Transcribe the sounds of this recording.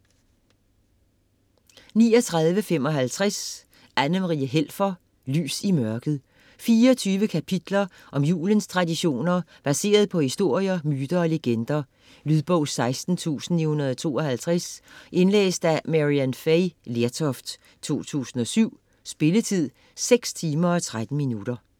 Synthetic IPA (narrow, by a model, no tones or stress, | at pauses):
niːɒt͡sʰʁɑ̈ðˠʋəfem̰ɒ̽ɦælt͡sʰʁas | ænəmʁiəɦel̰fɐ | ly̰ːsimɶɐɡ̥ð̞̩ˠ | fiːɐɒt͡sʰyːʋəkʰæpʰid̥lɐ | ʔɒ̽mjṵːlənst͡sʰʁɑ̈diɕo̝̰ːnɐ | b̥æse̝̰ːɐð̞̩ˠpʰɒ̽hisd̥o̝ɐ̰jɐmyːd̥ɐɒ̽leɡ̥end̥ɐ | lyðˠb̥ɔʊ̰sɑ̈ɪsd̥n̩t͡sʰṵːsn̩ihunɐðˠt͡sʰo̝̰ːɒ̽hælt͡sʰʁasʔe̝nlḛːsd̥æmæʁiænfeɪleɐt͡sʰɒfd̥ | t͡sʰo̝̰ːt͡sʰṵːsn̩ɒ̽syʊ̰ | sb̥e̝lət͡sʰið̰ˠ | seɡ̥st͡sʰiːmɐɒt͡sʰʁad̥n̩minud̥ɐ